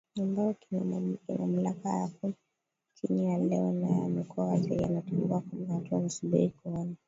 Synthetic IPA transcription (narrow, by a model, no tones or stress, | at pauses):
ambaɔkima̰m̩lakajaku | t͡ʃinijalɛɔnajɛa̰mikɔasɛia̰natulḭwakuhatuanasubḭɾikuɔna